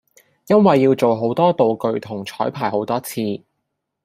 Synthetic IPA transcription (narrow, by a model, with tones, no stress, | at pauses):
jɐ˥nwɐ˨jːiː˧wt͡so˨wɦo˨˥wt̪ɔː˥t̪o˨wkɵ˨ɥt̪ʰʊ˨˩ŋt͡ʃʰɔː˨˥jpʰaː˨˩jɦo˨˥wt̪ɔː˥t͡sʰiː˧